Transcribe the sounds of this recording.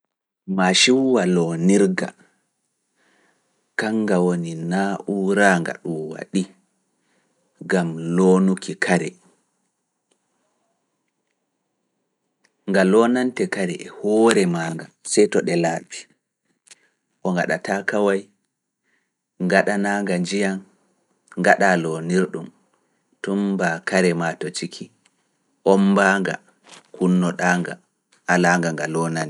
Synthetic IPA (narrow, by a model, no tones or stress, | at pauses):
maʃiwwalɔːniɾɡa̰ | kaŋɡawoninaːʔuɾaːŋɡa̰ɗumwa̰ɗi | ɡamloːnukʰikʰaɾɛ | ŋɡalɔnantɛkaɾɛ̰ʔɛhɔːɾɛmaːŋɡasɛjtɔɗɛlaːbi | ʔɔŋɡa̰ɗa̰takawaj | ŋɡaɗanaːŋɡand͡ʒijan | ŋɡaɗalɔniɾɗum | tumbakaɾɛmatɔt͡ʃikʰi | ʔɔmbaŋɡa̰ | kunːɔɗaŋɡa̰ | ʔalaŋɡaŋɡalɔnanɛ